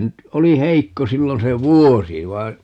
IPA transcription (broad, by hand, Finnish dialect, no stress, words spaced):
nyt oli heikːo silːon se ʋuosi ʋɑi̯n